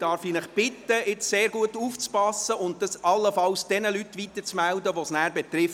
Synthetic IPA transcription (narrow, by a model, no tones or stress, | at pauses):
d̥ɑɾfinəχb̥ɪt̪ːəɪt͡sseːɾɡuətuːft͡spɑsəʊnt̚dɑsɑlːəfɑlsd̥ɛnəlytːʋit̪ːət͡smældəʋɔsnæːɾbɛt̪ɾɪf